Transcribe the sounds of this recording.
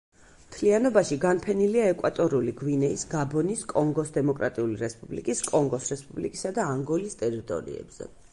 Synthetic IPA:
mt̪ʰlianɔbaʃiɡanpʰɛniliaɛkʼwat̪ʼɔɾuliɡwinɛisɡabɔniskʼɔŋɡɔsd̪ɛmɔkʼɾa̰t̪ʼiuliɾɛspʼublikʼiskʼɔŋɡɔsɾɛspʼublikʼisad̪aːŋɡɔlist̪ʼɛɾit̪ʼɔ̰ɾḭɛ̰b̥z̥ɛ̰

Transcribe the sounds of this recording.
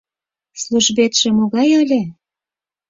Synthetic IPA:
sluʒbet̪ʃĕmoɣɑjəlʲĕ

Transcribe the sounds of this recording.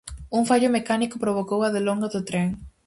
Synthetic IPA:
uŋfaʎʊmekanikʊpɾoβ̞okowaðeloŋɡaðʊt̪ɾeŋ

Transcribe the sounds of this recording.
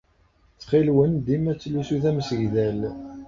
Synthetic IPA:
t͡sːχilwənd̪imæt͡sːlusuθæmsəʝðæl

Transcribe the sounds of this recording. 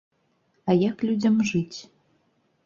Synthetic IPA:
ajaklʲudʲə̆mʐɨtʲ

